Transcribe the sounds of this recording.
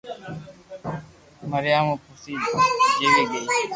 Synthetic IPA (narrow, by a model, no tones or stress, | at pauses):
məɾɪjaːmuːpʰʊsiːd͡ʒeːleːɡeː